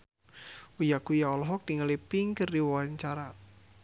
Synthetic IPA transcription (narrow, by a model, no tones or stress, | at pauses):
ujakujaɔlɔɦɔk̚d̥iŋəlipiŋkərdiwwaɲt͡ʃaɾa